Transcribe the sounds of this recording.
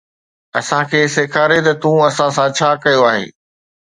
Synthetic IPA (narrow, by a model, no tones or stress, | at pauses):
ɐsãkʰeːsekʰaːɾet̪ɐt̪ũɐsãsãt͡ɕʰaːkɐjoaːɦḛː